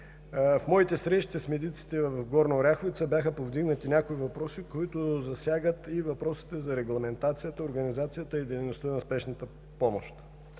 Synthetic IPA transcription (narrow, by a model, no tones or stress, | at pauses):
fmɔit̪ɛsɾɛʃt̪ɛsmɛd̪it̪si̥t̪ɛvɐfɡɔɾnoɾʲaxoit̪sɛbʲjaxəpovd̪iɡnət̪inʲakoivɐpɾɔsikoit̪ʊzɐsʲjaɡət̪ivɐpɾɔsi̥t̪ɛzɐɾɛɡlˠɐmɛnt̪at̪sijət̪əoɾɡɐnizat̪sijət̪əid̪ɛjnost̪ənɐspɛʃnət̪ə | pɔmoʃt̪